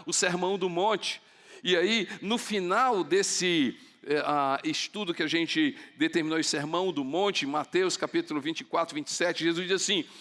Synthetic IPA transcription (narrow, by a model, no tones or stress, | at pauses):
ʊseɾmɐ̃w̃d̪ʊmõt͡ʃɪ̥ | ɪainʊfinawd̪esɪ | ɛaɪst̪ud̪ʊkɪaʒẽnt͡ʃɪd̪et̪eɾminoʊseɾmɐ̃w̃d̪ʊmõnt͡ʃɪẽmat̪ewskapit̪ʊlʊvĩnt͡ʃɪkwat̪ɾʊvĩnt͡ʃɪ̥sɛt͡ʃɪʒezuzd͡ʒizasĩ